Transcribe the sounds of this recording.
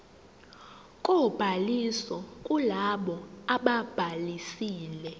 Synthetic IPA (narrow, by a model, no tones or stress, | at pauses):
kʼob̥ʱalisɔkʼulaɓɔaɓab̥ʱalisiːlɛ